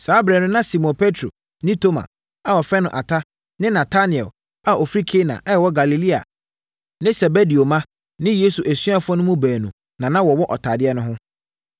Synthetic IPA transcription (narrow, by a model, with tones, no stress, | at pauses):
saː˨˦bɾɛ˨nʊ̃˦nã˦si˨mɔ̃˨npʰe˦tʰɾo̰˨ | nɪ̃˦tʰo˦mã̰˨ | a˨wɔ˨fɛ˦nʊ̰̃˨ʔa˨tʰa˦ | nɪ̃˦nã˨tʰa˦nɪ˨ɛ˨l | a˨ʔo˨fɾi˦kʰe˦nã̰˨ʔɛ˦ɛ˨wɔ˦ɡa˨li˨li˦a̰˨ | nɪ̃˦sɛ˨be˦di˨o˨mã˦ | nɪ̃˦jeː˦su˨ʔæ˨sɥa˦fɔ̃˦nʊ̃˦mũ˦bæː˨nũ˨ | nã˨nã˦wɔ˨wʊ̃˦ʔɔ˨tʰaː˨dɪ˦ɛ˦nʊ̃˦ɦʊ̃˦